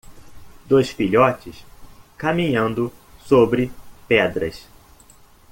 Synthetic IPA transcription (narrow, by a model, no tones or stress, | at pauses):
d̪ojsfiʎɔt͡ʃɪskamĩɲɐ̃nd̪ʊsobɾɪpɛd̪ɾɐ̰s